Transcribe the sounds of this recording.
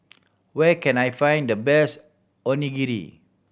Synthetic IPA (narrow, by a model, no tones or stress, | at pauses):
wɛkɛ̃najfãj̃ndəbɛs | ɔniɡiɾḭ